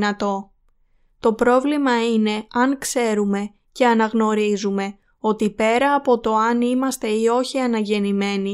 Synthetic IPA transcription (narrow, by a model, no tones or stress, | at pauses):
ɐt̪o̞ | t̪o̞pɾo̞vlimɐine̞ɐŋkse̞ɾume̞ | ce̞ɐnɐɣno̞ɾizume̞ | o̞t̪ipe̞ɾɐːpo̞t̪o̞ɐnimɐst̪e̞io̞çiɐnɐʝe̞nime̞ni